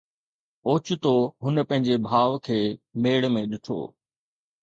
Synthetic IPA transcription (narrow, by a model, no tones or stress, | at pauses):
oːt͡ɕʊt̪oɦʊnəpɐ̃ɦɪ̃ɲd͡ʑebʱaːʋkʰeːmeːɽmẽɗɪʈʰo̰ː